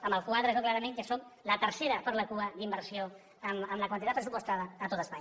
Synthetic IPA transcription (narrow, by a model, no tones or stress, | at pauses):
əmbəlˠkwaðɾəzoklaɾəmẽŋkəsoklət̪əɾseɾəpəɾləkuəd̪imbəɾsio | əməmləkwant̪it̪at̪̚pɾəsupust̪aðəːt̪ot̪əspaɲ